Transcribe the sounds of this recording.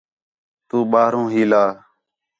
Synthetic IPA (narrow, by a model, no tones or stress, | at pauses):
t̪uːɓaːɾõːɦiːlaː